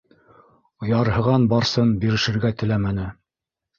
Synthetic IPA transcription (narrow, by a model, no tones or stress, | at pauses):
ŏjɑɾhɤ̆ʁɑnbɑɾsɤnbiɾɘ̆ʃɘ̆ɾɡæt̪ɘ̆læmænɘ